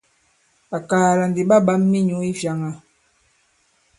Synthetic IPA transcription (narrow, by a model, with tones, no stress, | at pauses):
a˨kaː˨la˨n˨di˨ɓa˦ɓa˦mːi˦ɲu˨˦i˦vja˨˦ŋa˨